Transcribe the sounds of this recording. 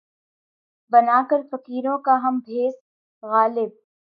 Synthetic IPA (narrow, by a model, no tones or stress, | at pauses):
bɐnaːkəɾfɐkiːɾõkaɦɐmbʱeːs | ɣaːlɪb̚